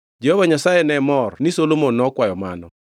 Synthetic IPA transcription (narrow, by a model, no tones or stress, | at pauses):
d͡ʒɛhovaɲasajɛnɛmɔrnɪsolomonːɔkwajɔmanɔ